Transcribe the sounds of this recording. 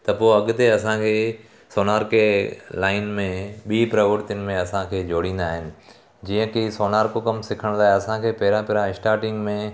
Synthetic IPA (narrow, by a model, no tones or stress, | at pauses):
t̪ɐpoːɐɠt̪eɐsãkʰeː | soːnaːɾkelaːɪnmẽɓiːpɾɐʋəɾt̪ɪnɪ̆mẽɐsãkʰeːd͡ʑoːɽĩːn̆d̪aːɦɪnɪ̆ | d͡ʑiːə̃kisoːnaːɾkokɐmsɪkʰəɽ̃laːeɐsãkʰeːpɐɦɪɾãpɐɦɾãɪsʈaːɾʈɪ̃ŋɡmẽ